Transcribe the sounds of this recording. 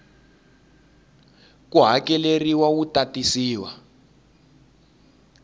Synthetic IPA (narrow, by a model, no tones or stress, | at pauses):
kuɦakɛleriwawutatisiːwa